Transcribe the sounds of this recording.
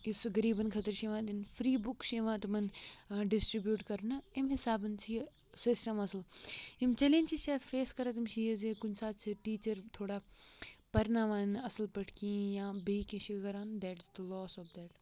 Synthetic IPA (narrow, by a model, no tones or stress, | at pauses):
isɡɐɾiːbɐnkʰɐt̪əɾʃẽːʋãːd̪infɾiːbʊkʃeːʋãːt̪ɐmɐnɖɪsʈɾibjuːʈkɐɾnɐɪmɦɪsaːbɐnt͡ʃʰi | sɪsʈɐmɐsəlimt͡ʃɐlẽːnʲt͡ʃiːsjaːt̪ʰfeːskɐɾɐt̪imʃiezekʊnsaːt̪t͡ʃʰɐʈiːt͡ʃəɾt̪ʰoːɽaːpɐɾnaːʋaːnɐsəlpɐʈʰkijãːbekẽʃikɐɾaːnd̪ɛːʈd̪əlɔːsɔːpd̪ɛːʈ